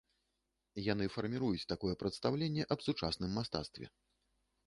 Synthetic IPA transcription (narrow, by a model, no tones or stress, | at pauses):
janɨfɐrmʲiɾujut͡sʲt̪akɔjɛpɾɐt̪st̪awlʲenʲːɛʔɐbsut͡ʂasnɨmːast̪a̰t̪st̪vʲɛ̰